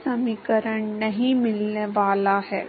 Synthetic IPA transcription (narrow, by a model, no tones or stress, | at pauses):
sɐmiːkəɾəɳnɐɦĩmɪlneʋaːlaɦɛː